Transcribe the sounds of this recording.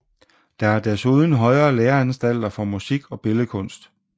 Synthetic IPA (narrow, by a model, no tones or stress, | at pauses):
d̥ɑ̈æɐd̥æɐsuð̞ˠn̩ɦɒ̽ɪɐːleːɐænsd̥æl̰d̥ɐfɒ̽musiɡ̥ɒ̽b̥e̝ləkʰɔ̽n̰sd̥